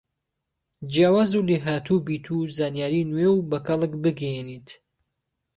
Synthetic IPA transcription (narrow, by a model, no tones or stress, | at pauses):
d͡ʒjaːwaːzuleːɦaːt̪ʰubiːt̪ʰuzaːnjaːɾiːnwewbɐkɐlɨkbɨɡɛjenit̪